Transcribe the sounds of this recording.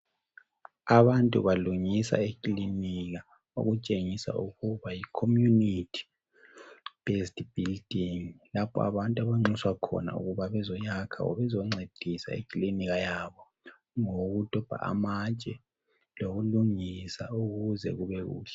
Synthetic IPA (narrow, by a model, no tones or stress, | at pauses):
aβantʼṵβaluŋisa̰ekʼliniɣa | o̰ɣut͡ʃʼeŋisa̰ʔuɣuβajikʰomjunitʰi̥ | b̥estʼb̥ʱild̥ʱiŋlapʰɔ̰a̰βantʼuaβaŋ͡ǀiswakʰɔ̰na̰ṵɣuβaβɛzɔɲakʰa̰ɔ̰βɛzɔŋ͡ǀʱed̥ʱisa̰ḭkʼliniɣajaβɔ | ŋoɣud̥ʱɔb̥ʱa̰ʔa̰mat͡ʃʼɛ | loɣuluŋisauɣuzɛ̰ɣuβɛɣṵːɬɛ̥